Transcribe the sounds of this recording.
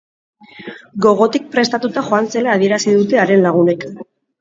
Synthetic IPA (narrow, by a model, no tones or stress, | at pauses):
ɡo̞ɣo̞t̪ik̚pɾe̞st̪at̪ut̪aχo̞ant͡se̞laːð̞ie̞ɾasiðut̪e̞aɾe̞nlaɣ̞une̞k